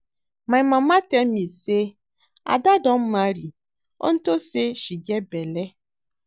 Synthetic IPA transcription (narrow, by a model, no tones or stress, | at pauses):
mãmãmãt̪ɛmĩse | a̰daɖɔmmãɾi | wʔo̰ŋ̩t̪oseʃid͡ʒɛbɛlɛ